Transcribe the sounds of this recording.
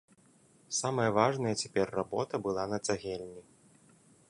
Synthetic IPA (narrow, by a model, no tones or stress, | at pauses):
samɐjɐvaʐnɐjɐt͡sʲapʲɛrːabɔt̪ɐbɨlˠanɐt͡s̪ʲaɣʲɛlʲnʲi